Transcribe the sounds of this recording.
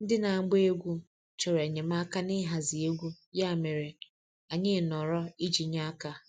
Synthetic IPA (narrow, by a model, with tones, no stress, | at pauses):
n̩˦dɪ˦na˨a˨˦ɡ͡be˦e˦ɡʷu˦ | t͡ʃɔ˨ɾa˨ɲe˨m˦a˦ka˦nɪ˦ɦa˨zi˨e˦ɡʷu˦ | ja˦˨me˨ɾe˨ | a˨ɲɪ˦˨nɔ˨ɾɔ˦i˦d͡ʒi˨ɲa˦ka˨